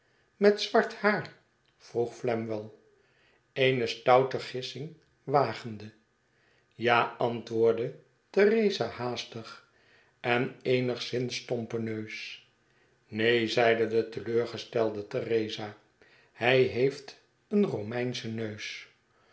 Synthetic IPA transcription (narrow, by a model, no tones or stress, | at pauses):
mɛtsʋɑɹthaːr | v̥ruχflɛmʋəlˠ | ejnəstɑwtəχɪsɪŋ | ʋaːχəndə | jaːɑntʋʊːɹdə | tərejzahaːstəχ | ʔɛnejnəχsɪnstɔmpənøɥs | nejzɛjdədətəløːɹχəstɛlˠdətərejza | hɛjɦejft | ənrowmɛjnsənøɥs